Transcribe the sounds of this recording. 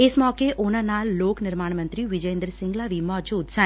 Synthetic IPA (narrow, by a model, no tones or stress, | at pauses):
eːsmɔːkeʔonãnaːlːoːknɪɾmaːɳmə̃nt̪ɾiʋɪd͡ʒəjẽnd̪ɾəsɪ̃ŋɡlaʋimɔːd͡ʒuːd̪sə̃